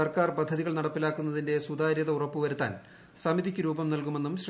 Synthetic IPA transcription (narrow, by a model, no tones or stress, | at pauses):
ɐrkaːrpɐd̪ʱːɐðiɣɐɭnɐɽɐpːilaːkːunːɐðinde̞sud̪aːɾjɐðɐurɐpːuʋɐɾut̪ːa̰ːn | sɐmid̪ikʲːuɾuːbɐmnɐlkume̞nːumɕr